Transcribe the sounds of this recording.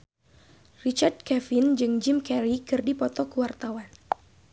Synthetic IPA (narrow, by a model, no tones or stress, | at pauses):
rit͡ʃard̪̚kɛfɪnd͡ʒɨŋd͡ʒɪmkɛɾikɨrdipɔt̪ɔkəwart̪awan